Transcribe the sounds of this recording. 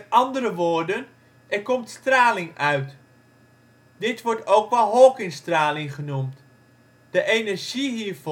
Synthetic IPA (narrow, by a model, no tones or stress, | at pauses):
tɑndərəʋoːɹdən | ʔɛrkɔmtstraːlɪŋœɥt | dɪtʋɔɹtowkʋɛlˠɦɔlˠkɪŋstraːlɪŋχənumt | d̥əʔejnɛɹʒiɦiːɹv